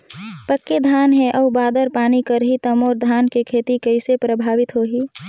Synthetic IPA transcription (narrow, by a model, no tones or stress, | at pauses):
pəkːed̪ʱaːnɦeʔɔːbaːd̪əɾpaːnikəɾɦit̪əmɔːɾd̪ʱaːnkekʰeːt̪ikəɪsepɾəbʱaːʋɪt̪ɦoːɦiː